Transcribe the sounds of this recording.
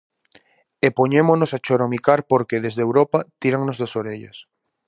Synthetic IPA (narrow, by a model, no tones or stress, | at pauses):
epoɲemonosat͡ʃoɾomikaɾpoɾkeðezðewɾopat̪iɾaŋnozðasoɾeʎɐ̰s